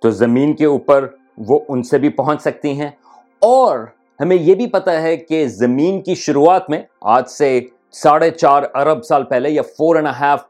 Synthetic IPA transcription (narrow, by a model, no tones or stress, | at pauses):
t̪oːzɐmiːnkeuːpəɾ | ʋoʔʊnsebʱipɐɦɔ̃ɲt͡ʃsɐk̚t̪iɦɛ̃ | ɔːɾ | hɐmẽjebʱipɐt̪aɦɛkezɐmiːnkiʃʊɾuaːt̪mẽa̰ːd͡ʒse | saːɽet͡ʃaːɾɐɾəbsaːlpɛɦlejafoːɾɛ̃nəɦaːf